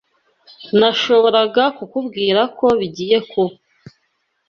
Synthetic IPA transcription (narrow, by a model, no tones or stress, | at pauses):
naʃo̞βo̞ɾaɡakukubɡiːɾako̞βiɟiːje̞kʰo